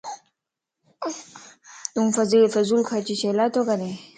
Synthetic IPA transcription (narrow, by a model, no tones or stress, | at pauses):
t̪uŋfɐzilfɐzulkʰat͡ɕiɕelat̪okane